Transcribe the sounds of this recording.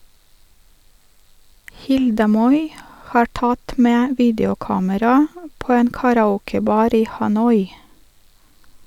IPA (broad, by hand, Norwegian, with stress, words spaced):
ˈhɪldə ˈmɔʏ ˈhɑːɾ ˈtɑt ˈmeː ˈʋiːdjʊˌkɑːməɾɑ ˈpoː ˈeːn kɑɾɑˈuːkəˌbɑːɾ ˈiː hɑˈnɔʏ